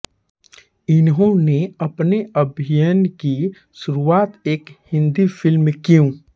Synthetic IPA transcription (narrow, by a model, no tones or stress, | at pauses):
ɪnɦõneɐpneəbʱɪjənki | ʃʊɾuaːt̪eːkhɪ̃nd̪ifɪlmekijũː